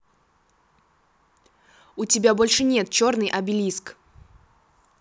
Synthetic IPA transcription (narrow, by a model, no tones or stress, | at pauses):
ʊtʲɪbʲabo̞lʲʂɨnʲe̞t̪̚t͡ɕo̞rnɨjʔɐbʲɪlʲisk